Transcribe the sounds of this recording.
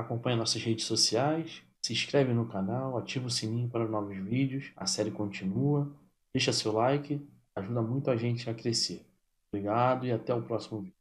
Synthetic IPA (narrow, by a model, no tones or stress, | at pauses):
akõmpɐ̃ɲɐnɔsɐzhed͡ʒɪsosiajs | sɪʃkɾɛvɪ̃nʊkanawat͡ʃivʊsimĩɲʊpaɾʊnɔvʊzvid͡ʒɪʊsɐ̰sɛɾɪkõnt͡ʃĩnuɐ | d̪ejʃɐsewlajkɪ | aʒud̪ɐmũj̃t̪ʊaʒẽnt͡ʃɪakɾeseɾ | bɾiɡad̪ʊɪat̪ɛʊpɾɔsimʊvid͡ʒʊ